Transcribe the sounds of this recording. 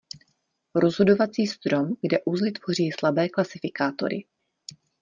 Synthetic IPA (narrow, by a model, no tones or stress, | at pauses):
ɾo̞zɦo̞do̞vat͡siːst̪ɾo̞mɡdɛʔuzlɪt̪v̥o̞r̝iːslabɛːklasɪfɪkaːt̪o̞̰ɾɪ̰